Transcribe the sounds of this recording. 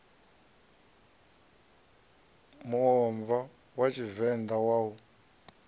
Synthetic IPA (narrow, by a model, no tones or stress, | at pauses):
muɔɱva | wat͡ʃʰivɛnd̪awaːu